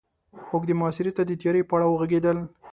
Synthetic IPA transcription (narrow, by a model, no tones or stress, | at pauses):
mokd̪əmʊɑsɪɾet̪ad̪ət̪jɑɾepəaɽawəɣaɡed̪əl